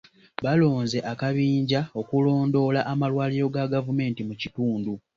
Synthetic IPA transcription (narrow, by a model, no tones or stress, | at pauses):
βalo̞ːnze̞ʔakaβiːɲɟao̞kulo̞ːndo̞laʔamalwaːliɾo̞ɡaɡavume̞ːntimucituːndu